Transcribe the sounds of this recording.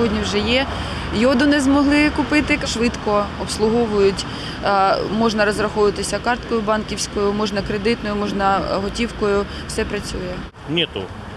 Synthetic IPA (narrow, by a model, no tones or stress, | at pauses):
sɦɔdʲnʲiwʒɛjɛ | jɔd̪ʊnɛzmɔɦlˠɪkʊpɪt̪ɪkɐʃʋɪt̪kɔɔpslˠʊɦɔʋʊjʊtʲ | mɔʒnɐɾɔzrɐxɔʋɪt̪ɪsʲɐkɑrt̪kɔjʊbɑnkʲiwsʲkɔjʊmɔʒnɐkɾed̪ɪt̪nɔjʊmɔʒnɐɦɔtʲiwkɔjʊ | wsɛpɾɐt͡sʲujɛ | nʲit̪ṵ